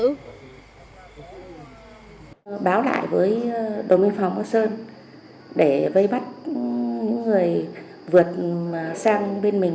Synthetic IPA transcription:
ɓaː˨˦wla̰ː˧˨jvəː˨˦jɗo˨˩wmi˧ŋfa˨˩wŋ͡mʔa˧səː˧n | ɗe˧˩və˧jɓa˦˥t̚ɲɨ̰˧˥ŋːɨ˨˩əj | vɨ˨˩ət̚ːsaː˧ŋɓe˧nmï˨˩ŋ

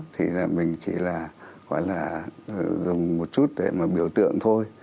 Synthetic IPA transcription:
t̪ʰḭ˨˩laː˨˩mï˨˩ŋ̟t͡ɕḭ˧˩laː˨˩ɣa̰ː˧˦jlaː˨˩ | zʊ˨˩ŋ͡mmo˨˩t̚t͡ɕu˦˥t̚ɗe˧˩maː˨˩ɓi˧˦əwt̪ɨ̰˧˨əŋt̪ʰo˧j

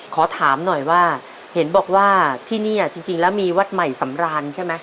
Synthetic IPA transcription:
kʰɔː˩˦t̪ʰaː˩˦mnɔ˨˩jwaː˥˩ | he˩˦nbɔː˨˩k̚waː˥˩t̪ʰiː˥˩niː˥˩ʔa˨˩t͡ɕi˧ŋt͡ɕi˧ŋlɛː˦˥wmiː˧wa˦˥t̪̚ma˨˩jsa˩˦mɾaː˧nt͡ɕʰa˥˩jma˦˥

